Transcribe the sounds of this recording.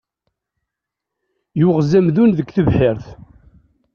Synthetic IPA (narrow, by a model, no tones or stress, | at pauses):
juʁzæmðunðəkːθəvħɪɾθ